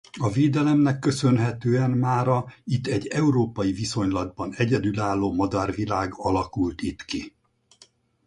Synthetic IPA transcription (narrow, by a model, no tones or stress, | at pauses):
ɒveːd̪ɛlɛmnɛkːø̞sø̞nɦɛt̪øːɛnmaːɾɒit̪ːɛɟːɛuɾoːpɒjiviso̞ɲlɒd̪̚bɒnɛɟɛd̪ylaːlːoːmɒd̪ɒrvilaːɡɒlɒkult̪it̪ki